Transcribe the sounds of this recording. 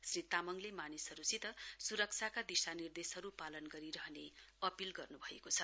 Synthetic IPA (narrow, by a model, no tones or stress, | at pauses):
srit̪amʌŋlemanisɦʌɾusit̪ʌsuɾʌk̚t͡sʰakad̪isanird̪esɦʌɾupalʌnɡʌɾiɾʌɦʌne | ʌpilɡʌrnubʱʌekot͡sʰʌ